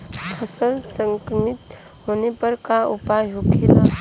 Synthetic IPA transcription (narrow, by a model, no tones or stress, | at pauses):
pʰəsəlsə̃ŋkɾəmɪt̪ | hoːnepɐɾkaʊpajɦokʰeɾa